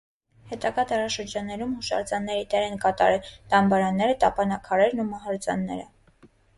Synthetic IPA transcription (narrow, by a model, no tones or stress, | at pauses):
hɛt̪ɑɡɑd̪ɑɾɑʃəɾd͡ʒɑnːɛɾumhuʃɑ̰ɾt͡sɑnːɛɾit̪ɛɾɛnkɑt̪ɑ̰ɾɛlt̪ɑmbɑɾɑnːɛɾət̪ɑpɑnɑkʰɑɾɛɾnumɑɦɑɾt͡sɑ̰nːɛ̰ɾə